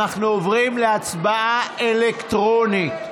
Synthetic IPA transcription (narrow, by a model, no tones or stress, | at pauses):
aχnuovʁimleat͡sbaʔaelekt̪ʁo̞nit